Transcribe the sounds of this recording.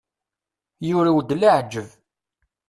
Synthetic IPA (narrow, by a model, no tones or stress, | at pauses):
jʊɾawd̪laʕd͡ʒːəv